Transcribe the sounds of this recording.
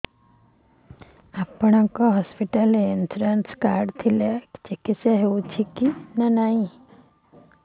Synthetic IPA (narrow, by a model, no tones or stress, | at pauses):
apɳ̃ãkɔɦɔspiʈaleːnsɾanskaːɾɖt̪ʰilet͡ʃekiseɦeut͡ʃʰikinɐnaĩ